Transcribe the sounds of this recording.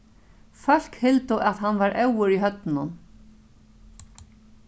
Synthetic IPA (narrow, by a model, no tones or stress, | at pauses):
fœl̥khɪlt̪ʊʔaðɦanːvaɾʔɛwʏɾiɦœt̪nʊn